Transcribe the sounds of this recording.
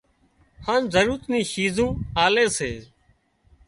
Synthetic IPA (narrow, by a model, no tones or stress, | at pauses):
hãːnzəɾuːɾət̪nĩːʃiːzũːaːleːseː